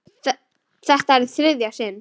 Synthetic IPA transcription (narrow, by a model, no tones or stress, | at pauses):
θɛ | θɛht̪aɾθɾɪðjasɪn